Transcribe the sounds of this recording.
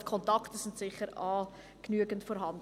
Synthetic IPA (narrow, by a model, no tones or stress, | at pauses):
kʰɔntɑktəsɪntsɪχəɾɑː | knyəɡəntfɔːɾɦɑnd